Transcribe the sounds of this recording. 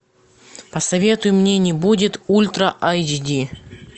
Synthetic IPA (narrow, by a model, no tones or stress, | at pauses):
pəsɐvʲe̞t̪ʊjʊmnʲenʲɪbudʲɪt̪ulʲt̪ɾəʔajd͡ʒidʲi